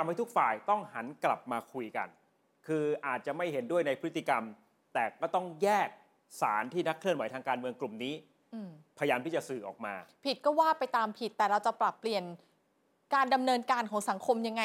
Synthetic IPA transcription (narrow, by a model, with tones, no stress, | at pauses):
a˧mha˥˩t̪u˦˥k̚faː˨˩jt̪ɔ˥˩ŋha˩˦nkla̰˨˩p̚maː˧kʰu˧jka̰˧n | kʰɯː˧ʔaː˨˩t̪̚t͡ɕa˨˩ma˥˩jɦe˩˦ndu˥˩əjna˧jpʰɯ˦˥t̪ːi˧˨ka˧m | t̪ɛː˨˩kɔː˥˩t̪ɔ˥˩ŋjɛː˥˩k̚ | saː˩˦nt̪ʰiː˥˩na˦˥kʰːlɯ˥˩ənwa˩˦jt̪ʰaː˧ŋkaː˧nmɯ˧əŋklu˨˩mniː˦˥ | ɯ˧˩pʰa˧jaː˧mt̪ʰiː˥˩t͡ɕa˨˩sɯː˨˩ʔɔ̰ː˨˩k̚ma̰ː˧pʰi˨˩t̪̚kɔː˥˩waː˥˩pa˧jt̪aː˧mpʰi˨˩t̪ːɛː˨˩ɾa˧wt͡ɕa˨˩pɾa˨˩pːli˨˩ən | kaː˧nda˧mnɤː˧nkaː˧nkʰɔː˩˦ŋsa˩˦ŋkʰo˧mja˧ŋːa˧